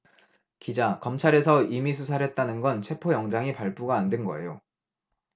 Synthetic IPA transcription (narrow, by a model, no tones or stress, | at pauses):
kid͡ʑakʌmt͡ɕʰaɾe̞sʰʌimis̬ʰusʰaɾɦe̞t̚t͈anɯnɡʌnt͡ɕʰe̞pʰojʌŋd͡ʑaŋipaɭp͈uɡaːndwenɡʌe̞̰jo